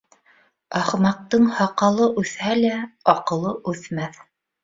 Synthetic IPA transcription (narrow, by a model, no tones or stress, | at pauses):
ɑχmɑq̚t̪ɤɴhɑqɑlˠɤʔʉθhælæɑqɤ̆lˠɤʔʉθmæθ